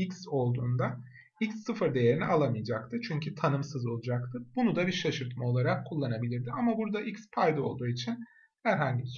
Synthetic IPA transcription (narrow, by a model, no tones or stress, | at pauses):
icso̞lˠd̪uːnd̪a | icsːɯfɯɾd̪e̞je̞ɾinialˠamɯjd͡ʒak̚t̪ʰɯt͡ʃʰyɲcʰyt̪ʰanɯmsɯzo̞lˠud͡ʒakt̪ʰɯbunud̪abiɾʃaʃɯɾt̪mao̞lˠaɾakʰːulˠːanabilʲiɾd̪ɪamabuɾd̪aʔicspʰajd̪ɯo̞lˠd̪uːit͡ʃʰin | hæɾɦaɲɟis